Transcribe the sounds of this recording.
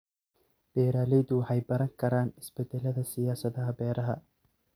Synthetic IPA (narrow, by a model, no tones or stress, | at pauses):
b̥ɛːɾaːlɛjd̪ʊħɐjbɐɾɐŋkʰɐɾaːnɪsbɛd̪ɛlːɐðɐsɪjaːsɐðɐɦɐbɛːɾʔɐɦɐ